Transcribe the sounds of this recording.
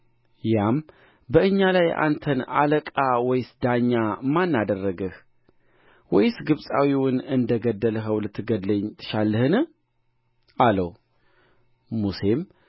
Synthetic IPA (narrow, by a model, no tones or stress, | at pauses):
jam | bəʔɨɲːalaja̰nt̪ʰəna̰ləkʼawɔjsd̪aɲːamːanːad̪ərːəɡəh | wɔjsɡɨβsʼawiwʊnɨnd̪əɡəd̪ːəlɦəwlɨt̪ʰːɨɡəd̪ləɲt̪ʰɨ̥ʃalːɨhɨnɨ | aləw | muse̞m